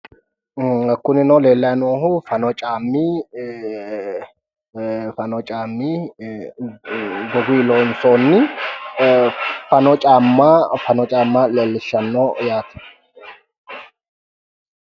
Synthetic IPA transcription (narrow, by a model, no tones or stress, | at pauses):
kʊnɪnɔleːlːɐjnoːɦʊfɐnɔt͡ʃʼaːmːiː | fɐnɔt͡ʃʼaːmːiː | ɡɔɡiːloːnsoːnːɪ | fɐnɔt͡ʃʼaːmːaːfɐnɔt͡ʃʼaːmːaːleːlːɪʃːɐnːoːjaːt̪ɛ̥